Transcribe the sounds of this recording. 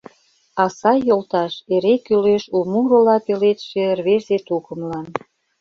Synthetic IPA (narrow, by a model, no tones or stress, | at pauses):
ɑsɑjolt̪ɑʃeɾekyleʃumurolɑpelet̪ʃerβeʒzet̪ukə̆mlɑn